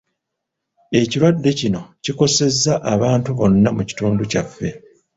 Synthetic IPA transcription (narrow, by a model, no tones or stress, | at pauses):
e̞ciɾwadːe̞cino̞ciko̞se̞zːaʔaβaːntuβo̞nːamuci̥tuːnducafːe̞